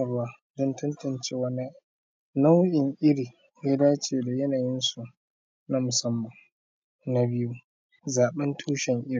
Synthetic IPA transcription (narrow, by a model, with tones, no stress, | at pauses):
ɐ˨rwaː˦ | dɔ˦ntɐ˦ntɐ˨nt͡ʃeː˦wɐ˦ni˦ | na˦wʔɪ˨ŋʔɪ˦ɽiː˨ | ja˦daː˦t͡ʃeː˨da˨jɐ˦naː˨jɪ˦nsu˨ | na˦mʊ˨sɐ˦mːɐ˨ŋ | na˦bɪ˦ju˦ | zaː˨ɓɛ˦ntʰuː˦ʃɛ˨ŋʔɪ˦ɾi˨